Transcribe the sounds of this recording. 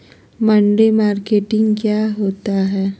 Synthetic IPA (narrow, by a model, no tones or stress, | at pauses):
mə̃ɳɖemaːɾkeːʈɪ̃ŋɡkjaːɦoːt̪aɦɛː